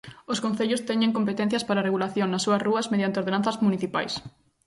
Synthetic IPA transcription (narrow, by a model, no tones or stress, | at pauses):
oskõn̟θeʎʊst̪ɛɲeŋkompet̪ɛn̟θjɐspaɾareɣulaθjoŋnɐsːuɐsruɐzmeðjant̪eoɾð̞enãn̟θɐzmuniθipajs